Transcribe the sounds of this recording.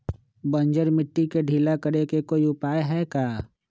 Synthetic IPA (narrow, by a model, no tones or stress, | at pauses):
bə̃nd͡ʒəɾmɪʈːikeɖʱiːlakəɾekekoːiʊpaːjeɦɛkaː